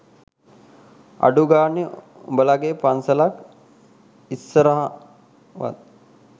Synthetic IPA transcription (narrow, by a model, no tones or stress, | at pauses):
a̰ɖuɡaːni | o̰bəlaɡepansəlak | isːəɾəɦa | ʋa̰t̪̚